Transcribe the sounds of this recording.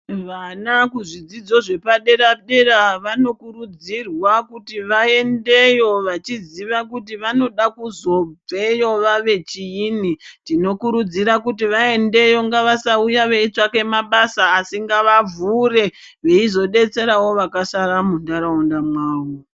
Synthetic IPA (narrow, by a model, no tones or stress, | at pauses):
ʋanakuʐid͡zid͡zo̞ʐe̞paɗe̞ɾaɗe̞ɾaʋano̞kurud͡zirwakutiʋae̞nde̞jo̞ʋat͡ʃiziʋakut̬iʋano̞ɗakuzo̞b͡ve̞jo̞ʋaʋe̞t͡ʃijinitdino̞kuɾud͡ziɾakutiʋae̞nde̞jo̞ŋɡaʋasaujaʋe̞it͡ʂake̞maɓasaːsiŋɡaʋavure̞ | ʋe̞izo̞ɗe̞t͡se̞ɾawo̞ʋakasaɾamundaɾaundamwaːwo